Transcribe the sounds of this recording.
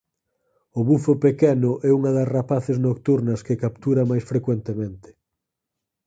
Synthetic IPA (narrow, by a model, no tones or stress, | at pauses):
ʊβufopekɛnʊʔɛuŋɐðɐsrapaθeznokt̪uɾnɐskekap̚t̪uɾɐmajsfɾekwent̪emẽnt̪ɪ̥